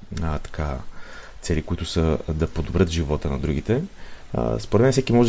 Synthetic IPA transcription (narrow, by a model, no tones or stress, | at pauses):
t̪ɐ̥kat̪sɛlikʊit̪ʊsəd̪ɐpod̪obɾət̪ʒivɔt̪ənɐd̪ɾuɡ̟it̪ɛ̰ | spoɾɛt̪mɛnɛfsɛkimɔʒɛ